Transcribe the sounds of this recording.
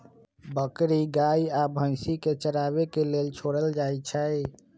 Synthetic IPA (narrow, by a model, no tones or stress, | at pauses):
bəkɾiɡaiabʱə̃ɪsiket͡ʃəɾabekelelt͡ʃʰoɽəld͡ʒajt͡ʃʰəj